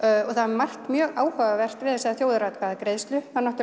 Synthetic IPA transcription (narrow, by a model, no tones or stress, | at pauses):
ɔɣθaðmar̥t̪mjœːɣaːwhœːɣavɛr̥t̪vɪðasɛðaθjoːwðʏɾat̪kʰvaːðakɾejðst̪lʏhanːɔht̪